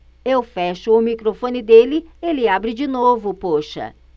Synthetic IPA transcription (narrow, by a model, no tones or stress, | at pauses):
ewfɛʃʊːmikɾofõnɪd̪elɪelɪabɾɪd͡ʒinovʊpoʃɐ̰